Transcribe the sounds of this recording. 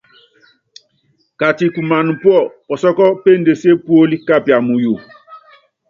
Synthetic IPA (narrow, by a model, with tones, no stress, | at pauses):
ka˨ti˨ku˨ma˨nu˨pwɔ˦˨ɔ˨sɔ˦kɔ˦pe˦n˦de˨se˦pu˦o˦li˦ka˦pja˨mu˨ju˨